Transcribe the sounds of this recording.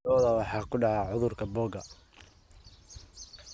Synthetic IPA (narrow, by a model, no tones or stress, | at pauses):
ɔːðɐwɑħɑːkʰʊɖɑʕɑːʕʊðʊrkʰɐbɔːɡɐ